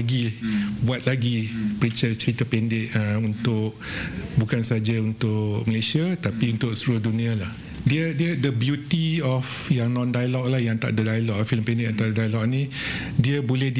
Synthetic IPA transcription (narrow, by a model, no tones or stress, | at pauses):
ɡibuat̪̚laɡipəɾit͡ʃət͡ʃəɾit̪apɛndɪʔəunt̪ʊk̚ | bukansad͡ʒaunt̪ʊʔməlesiat̪apiunt̪ʊʔsɾuhdunĩalah | diədiədəbjut̪iɔf | jaŋnɔ̃ndajalɔk̚lahjaŋt̪a̰ʔdədajalɔkfiləmpɛndɪkant̪aɾədajalɔk̚nĩ | diəbolɛhd